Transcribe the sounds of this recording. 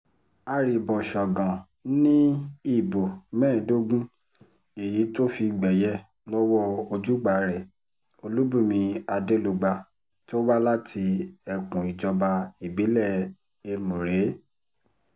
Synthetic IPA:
a˧ɾi˨˧˨bɔ˨ʃɔ˨ɡã˨ | nĩ˦i˦˨bo˨mɛ̃ː˦˨do˦ɡũ˦ | e˨ji˨˦to˦fi˧ɡ͡bɛ˨jɛ˦ | lɔ˦wɔ˦o˧d͡ʒu˦ɡ͡ba˨ɾɛ˨ | o˧lu˦bu˦˨mĩ˧a˧de˦lo˧ɡ͡ba˧ | to˦wa˦la˦tʰi˧ɛ˨kũ˨i˨d͡ʒɔ˧ba˧i˨bi˨˦lɛ˦˨ | e˧mũ˨ɾe˨˦

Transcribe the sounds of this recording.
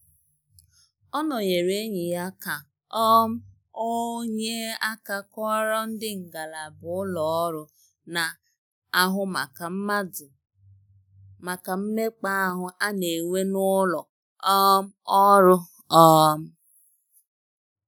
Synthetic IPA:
ɔ˦nɔ˨je˨ɾe˦ɲi˨ja˦ka˨ | ɔ˦m̩˦ | o˦ɲe˦a˦ka˦˨kɔ˦ɾɔ˦n̩˦dɪ˦ŋ̩˨ɡa˨la˨bʊ˨˦ʊ˦lɔ˨ɔ˦ɾʊ˦ | na˨ | a˦ɦʊ˦ma˨ka˨m̩˦ma˦ʊ˨ | ma˨ka˨m̩˦me˦k͡pa˦a˦ɦʊ˦ʔa˦ne˨ŋʷe˦nʊ˦lɔ˨˦ | m̩˦ɔ˦ɾʊ˦ | ɔ˦m̩˦

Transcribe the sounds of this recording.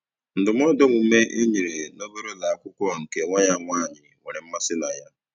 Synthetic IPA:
n̩˨dʊ˨m˦ɔ˦dɔ˦ŋʷu˨˦me˦ʔe˦ɲi˨ɾe˨no˦bo˦ɾo˦la˨a˨kʷʊ˦kʷɔ˦˨ŋ̩˨ke˨ŋʷa˦ɲa˦˨ŋʷaː˦˨ɲɪ˨ŋʷe˨ɾɪ˨m̩˦ma˦sɪ˦na˨ja˦

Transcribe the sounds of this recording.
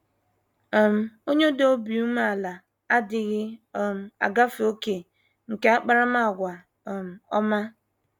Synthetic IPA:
m̩˨o˦ɲ˦o˦do˦o˦bi˨u˦m˦a˨la˨ | a˦dɪ˨ɣɪ˦˨m̩˨a̰˨ɡa˦fo˦ke˨ | ŋ̩˨ke˦a˦k͡pa˦ɾa˦ma˦a˨ɡʷa˨ | m̩˨ɔ̰˦ma˦

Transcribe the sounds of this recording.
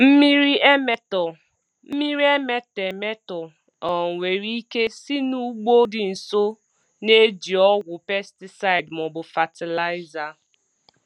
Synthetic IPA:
m̩˦mi˦ɾi˦e˦me˦tɔ˨ | m̩˦mi˦ɾi˦e˦me˦te˨me˦tɔ˨ | ɔ˨ŋ̩˨wʷe˨ɾi˦i˦ke˦si˦nu˦ɡ͡bo˦dɪ˨n̩˨so˦ | ne˦d͡ʒi˨ɔ˦ɡwʷʊ˨pe˦sti˨sa˦ɪ˨dmʊ˨bʊ˨fa˨tɪ˨la˦ɪ˦za˨

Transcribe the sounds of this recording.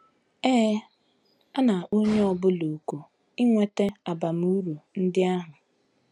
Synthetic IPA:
eː˦ | a˦na˨ʔo˦ɲe˦ɔ˨bʊ˦lo˨ko˨ | ɪ˦ŋʷe˦te˦a˨ba˨m̩˨u˦ɾu˨n̩˦dɪ˦a˦ɦʊ˨

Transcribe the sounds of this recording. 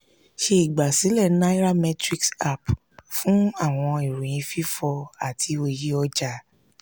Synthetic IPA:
ʃe˧i˨ɡ͡ba˨si˨˦lɛ˦˨˦na˦i˦ɾa˦mɛ˦tɾi˧ksa˦˨p | fũ˦a˦˨w̃ɔ̃˧i˨ɾũ˨j̃ĩ˨˦fi˦fɔ˧a˨tʰi˧˦o˨ji˦ɔ˧d͡ʒa˧

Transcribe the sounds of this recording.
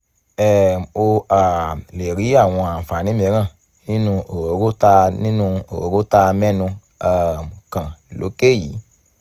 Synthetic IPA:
ɛ˦˨o˧a˨le˨ɾi˨˦a˦˨w̃ɔ̃˧a˨fa˨nĩ˨˦mĩ˧˦ɾã˦˨ | nĩ˦nũ˧o˨ɾo˨˦ɾo˦ta˧nĩ˦nũ˧o̰˨o˨˦ɾo˦ta˧mɛ˦nũ˧ | a˨m˨kã˨lo̰˨˦ke˦˨ji˨˦

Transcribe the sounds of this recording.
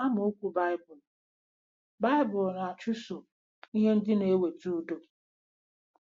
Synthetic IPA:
a˦mʊ˨o˦kʷu˦ba˦ɪ˦bʊ˨l | ba˦ɪ˦bʊ˨lna˨a˨t͡ʃu˦so˨ | i˦ɦe˦n̩˦dɪ˦ne˨˦we˨tu˦do˦

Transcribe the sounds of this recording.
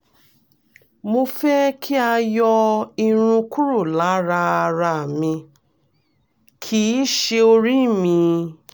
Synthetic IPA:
mo˧fɛ˦kʰi˦a˧jɔ˧i˧ɾ̃ũ˧ku˦ɾu˦˨la˨˦ɾa˧a˧ɾa˧˨mĩ˧ | kʰi˦ʃe˧o˧ɾi˦˨mĩ˧

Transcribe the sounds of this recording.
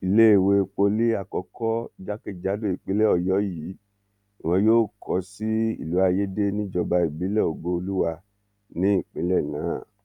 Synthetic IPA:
i˨le˦e˦˨we˧k͡po˧li˦a˦˨kɔ˧kɔ˦d͡ʒa˦ke˦˨d͡ʒa˨˦do˦˨i˨k͡pi˨˦lɛ˦ɔ˨jɔ˨˦ji˨˦ | i˨w̃ɔ̃˧joː˦˨kʰɔ˧˦si˦ḭ˦˨lu˨˦a˧je˦de˦nĩ˦d͡ʒɔ˧ba˧i˨bi˨˦lɛ˦˨o˨ɡo˧o˧lu˦wa˧ | nĩ˦i˦˨k͡pẽ˨˦lɛ˦˨nãː˨˦˨

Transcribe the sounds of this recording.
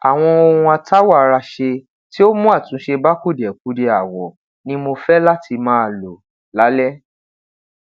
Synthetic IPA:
a˨w̃ɔ̃˧o˧hũ˧a˧tʰa˦wa˦˨˧ɾa˧ʃe˧ | ti˦o˦mũ˦a˦˨tũ˨˦ʃe˧ba˦ku˦˨dɛ˨k̚u˨˦de˧a˨wɔ˨ | nĩ˦mo˧fɛ˦la˦tʰi˧mãː˦˧˨lo˨ | la˨˦lɛ˦

